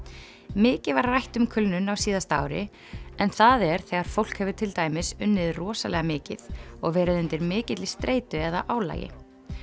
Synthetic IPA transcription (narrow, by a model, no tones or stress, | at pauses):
mɪːcɪvarrajht̪ʏmkʰʏlnʏnawsiːðast̪aːwɾɪ̰ | ɛnθaðɛɾ̥θɛɣaɾ̥fowl̥khɛvʏt̪ʰɪlt̪aːjmɪsʏnːɪðrɔːsa̰lɛɣamɪːcɪðɔɣvɛːɾɪðʏnt̪ɪɾmɪːcɪt̪lɪst̪ɾʔeːjt̪ʏɛðaʔaːwla̰ːjɪ̰